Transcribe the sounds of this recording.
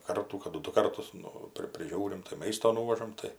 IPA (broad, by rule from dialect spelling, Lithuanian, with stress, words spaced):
ˈkɐrtuː kɐˈdʊ ˈdʊ ˈkɐrtʊs ˈnʊ ˈpʲrʲɪ pʲrʲɪˈʒʲuːrʲɪm tɐɪ ˈmɐɪstoː ˈnuːʋɐʒɐm ˈtɐɪ